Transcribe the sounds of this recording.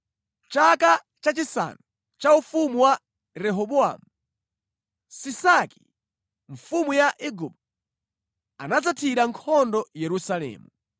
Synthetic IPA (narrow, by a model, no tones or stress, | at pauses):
t͡ʃaka | t͡ʃat͡ʃisa̰nu | t͡ʃaufumuwa | ɾɛɦɔɓɔa̰mu | sisaki̥̰ | ɱfumujaʔiɡup̚t | anad͡zatʰiɾaŋkʰɔndɔjɛɾusalɛ̰ːmu